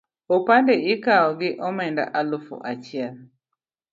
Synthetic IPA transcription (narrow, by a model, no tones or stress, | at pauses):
opandeɪkaɔɡɪʔɔmɛnda̰ʔalʊfo̰ʔat͡ʃɪɛl